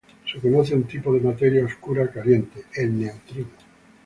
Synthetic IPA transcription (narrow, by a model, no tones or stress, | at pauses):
seko̞noθeunt̪ipoð̞emat̪eɾjaoskuɾakalje̞nt̪eelneot̪ɾino